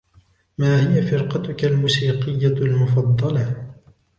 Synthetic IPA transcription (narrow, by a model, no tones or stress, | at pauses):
maːhɪjafɪɾqɑt̪ʊkalmuːsiːqɪjːalmʊfɑd̪ˤːɑlɑ